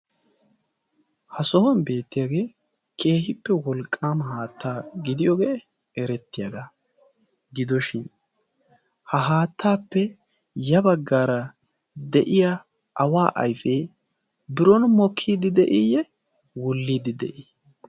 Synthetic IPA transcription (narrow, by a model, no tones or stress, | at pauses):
hɐsɔhɔnbe̞ːt̪ːɪjaːɡe̞ː | kʰʼe̞ːhɪpːɛwɔlkʼːaːmhaːt̪ːaːɡɪd̪ɪjɔɡeː | ɛɾɛt̪ːɪjad̪a | ɡɪd̪ɔʃɪn | hɐɦaːt̪ʰːaːpːɛ | jɐbɐɡːaːɾɐ | d̪ɛʔɪja | ʔɐwaːʔɐ̰jfɛ | bɪɾɔnmɔkʰːiːd̪ɪd̪ɛʔɪjɛ | wɔlːiːd̪ɪd̪ɛ̰ʔi